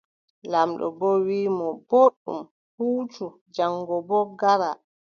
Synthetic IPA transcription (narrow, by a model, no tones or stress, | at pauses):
lamɗɔ̰bɔwiːmɔboɗṵm | huːt͡ʃu | d͡ʒaŋɡɔbɔɡaɾa